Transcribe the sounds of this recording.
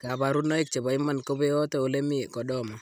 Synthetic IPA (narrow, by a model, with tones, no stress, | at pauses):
ka˨ba˨ɾu˦nɔ˦i˦k̚t͡ʃe˨ba˨ɪ˦mːa˦nko˦be˦ɔ˦tɛ˨o˨le˦mi˦kɔ˨ɗɔ˦ma˨